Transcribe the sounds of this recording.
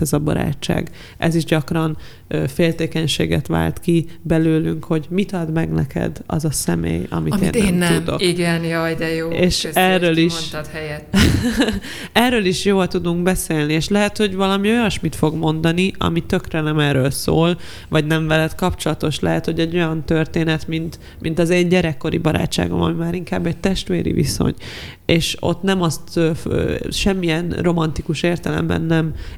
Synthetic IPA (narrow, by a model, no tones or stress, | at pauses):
ɛzɒbɒ̰ɾa̰ːt͡ʃːa̰ːɡ | ʔɛ̰ziʒɟɒkrɒn | øfeːlt̪eːkɛɲʃḛːɡɛ̰t̪ʋa̰ːlt̪kibɛløːlyŋkho̞ɟmit̪ɒd̪mɛɡnɛkɛ̰d̪ɒ̰zɒsɛmḛːjɒ̰mit̪ḛːnːnud̪o̰kiɡɛnjid̪ɛjoːeːʃɛrːøːliʃt̪hɛjɛt̪ː | ɛrːøːliʃjoːlt̪ud̪uŋkbɛseːlnieːʃlɛɦɛt̪ho̞ɟvɒlɒmio̞jɒʃmit̪fo̞ɡmo̞nd̪ɒniɒ̰mit̪ø̞krɛnɛmɛːrøːlso̰ːl | vɒɟnɛɱvɛlɛt̪kɒpt͡ʃo̞lɒt̪o̞ʃlɛɦɛt̪ho̞ɟɛɟːo̞jɒnt̪ørt̪eːnɛt̪mint̪ | mint̪ɒzeːɲɟɛɾɛkːo̞ɾḭbɒɾa̰ːt͡ʃːa̰ːɡo̞̰mɒ̰mimaːɾiŋkaːbːɛc̚t̪ɛʃt̪ʋeːɾḭvḭso̰ɲ | eːʃo̞̰t̪nɛmɒst̪øfʃɛmːijɛnro̞mɒnt̪ikuʃeːrt̪ɛlɛ̰mbɛ̰nːɛm